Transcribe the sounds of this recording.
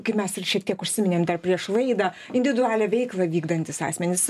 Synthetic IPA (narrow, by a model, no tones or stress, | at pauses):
kɐɪmʲɛsɪrʃʲiɛk̚t̪iɛkʊʃʲsʲɪmʲɪnʲeːmd̪ɐrpʲɾʲiɛʃlˠɐɪd̪ɑː | ɪnʲd̪ʲʋʲɪd̪ʊæːlʲɛʋʲɛɪklˠɐʋʲiːɡd̪ɐnʲt̪ʲɪsɑ̰ːsʲmʲɛnʲɪss